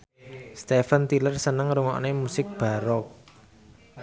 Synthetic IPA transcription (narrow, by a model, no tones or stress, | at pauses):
st̪efənt̪ilərsənəŋɾuŋɔ̰ʔnemusɪk̚b̥a̤ɾɔk̚